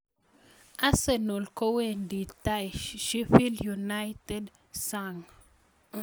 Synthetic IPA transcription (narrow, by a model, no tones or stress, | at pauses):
asenolkowenditajʃʃifiljunajtɛd | saŋ